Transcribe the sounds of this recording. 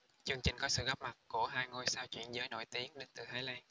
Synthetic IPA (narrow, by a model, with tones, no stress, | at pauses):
t͡ɕɨ˧əŋt͡ɕï˨˩ŋ̟kɔ˨˦sɨ̰˧˨ɣɔ˦˥p̚ma˨˩t̚ku˧˩əɦaː˧jŋo˧jsaː˧wt͡ɕwḭ˧˩ənzəː˨˦jno̰˧˨jt̪i˨˦əŋɗe˨˧nt̪ɨ˨˩t̪ʰeː˨˦laː˧ŋ